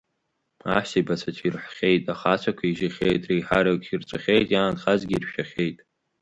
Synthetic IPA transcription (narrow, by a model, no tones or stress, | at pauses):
aħtʰibat͡sʷʰat͡ʃʷʰirħχʲejtʼaχat͡ʃʷʰakʷʰaiʒɪχʲejtʼrejħaɾakʼʰirt͡ʃʷʼaχʲejtʼjaːnχazɡʲiːrʃᶣaχʲejtʼ